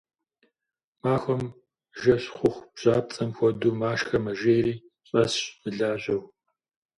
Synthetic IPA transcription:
maːxʷɔm | ʒɐɕχʷʊxʷbʑ̥ʼaːp̚t͡sʼɐmxʷɔduːmaːʃxɐmɐʒeːjriː | ɕʼɐɕmɨɮaːɕɐw

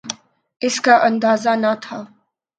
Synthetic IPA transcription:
ɪskaʔɐ̃nd̪aːzanat̪ʰaː

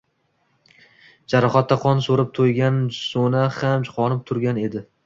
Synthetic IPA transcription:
d͡ʒaɾɒχat̪ːaqʰɒnsoɾɪp̚t̪ʰojɡʲansonahamt͡ʃʰʊ̥qʰɒnɪp̚t̪ʰʊɾɡʲane̞d̪ɪ

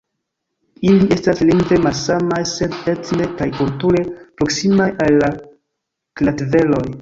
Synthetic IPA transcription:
iliʔe̞stasliŋɡve̞malsamajsedetnekajkultuɾe̞pɾo̞ksimajalːa | klatve̞lo̞j

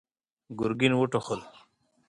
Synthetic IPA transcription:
ɡuɾɡinwuʈoχol

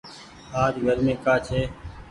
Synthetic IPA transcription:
aːd̪ɡʱəɾmẽːkaːt͡ʃʰeː

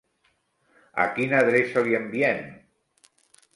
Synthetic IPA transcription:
a̰kinaðɾesoljembjɛn

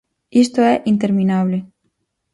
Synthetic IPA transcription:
ist̪oeʔint̪e̞ɾmĩnaβle

